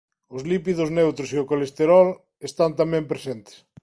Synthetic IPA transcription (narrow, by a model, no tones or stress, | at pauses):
ʊzlipiðʊznewt̪ɾʊsiʊkolest̪eɾɔl | est̪ant̪amɛmpɾesent̪e̥s